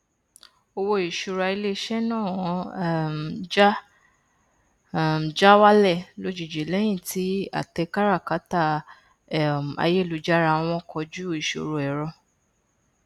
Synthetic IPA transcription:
o˧wo˧i˨ʃu˨ɾa˧i˧le˧˦ʃɛ˦nãː˦˨w̃ɔ̃˨˧˦ | d͡ʒa˦˨ | d͡ʒa˦wa˦lɛ˦˨lo˧d͡ʒi˨d͡ʒe˨lɛ˨˦j̃ĩ˦˨tʰi˨˦a̰˨tɛ˧ka˦ɾa˦˨ka˨˦ta˦˨ | a̰˧je˦˨lu˧d͡ʒa˦ɾa˧w̃ɔ̃˧kʰɔ˧d͡ʒu˦i˨ʃo̰˨ɾo˨ɛ˨ɾɔ̃˧

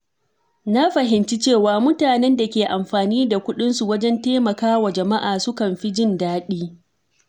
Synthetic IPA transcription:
na˦ɸɐ˨ɦɪ˨nt͡ʃi˦t͡ʃeː˦˨waː˨mʊ˦taː˨nɛ˦nda˨kʲeː˨ʔa˨mɸaː˨niː˦da˨kʷʊ˦ɗɪ˦nsu˨wɐ˦d͡ʒɛ˦nteː˦mɐ˨kaː˦wa˨d͡ʒɐ˨ma˦ʔaː˨sʊ˦kɐ˨mɸi˦d͡ʒɪ˦ndaː˦ɗiː˦

